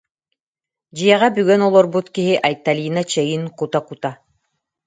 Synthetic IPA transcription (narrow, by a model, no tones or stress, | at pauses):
d͡ʑijɛʁabyɡɛnɔlˠɔɾbut̪kiɦiʔajt̪ːalʲiːnat͡ɕɛjinkut̪akut̪a